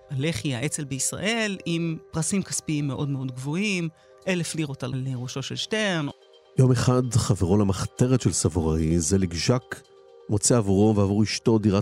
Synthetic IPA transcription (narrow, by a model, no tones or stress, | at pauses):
ale̞χiaʔet͡se̞lbeisʁa̰ʔe̞limpʁasimkaspiimːe̞ʔo̞dme̞o̞dɡvo̞im | ʔelefliʁotalaleʁoʃo̞ʃelʃten | jo̞meχadχaveʁolamaχt̪eʁetʃelsavoʁaizeliɡʒak | mot͡seavuʁoveavoʁiʃto̞diʁa